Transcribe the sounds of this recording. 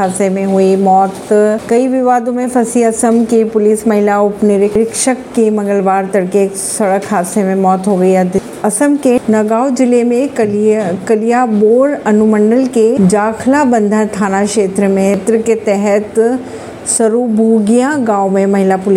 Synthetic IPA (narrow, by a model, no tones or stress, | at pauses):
aːsemẽɦuimɔːt̪kɐiʋɪʋaːd̪õmẽfʰɐsiɐsəmkipʊliːsmɐɦɪlaʊpnɪɾɪɾɪkʃəkːemɐ̃ŋɡəlʋaːɾt̪ɐɽke | sɐɽəkʰːaːsemẽmɔːt̪ɦoːɡɐiɐd̪ | ɐsəmkenɐɡaːwd͡ʒɪlemẽ | kɐlijaboːɾɐnuməɳɖəlked͡ʒaːkʰlabɐ̃nd̪ʱət̪ʰaːnaʃeːt̪ɾəmẽt̪ɾəket̪ɛɦɛt̪ | sɐɾubʱuːɡijãɡãːwmẽmɐɦɪlapʊli